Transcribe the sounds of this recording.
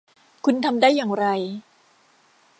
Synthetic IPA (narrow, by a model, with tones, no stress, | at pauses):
kʰu˧nt̪ʰa˧mdaː˥˩jːaː˨˩ŋɾa˧j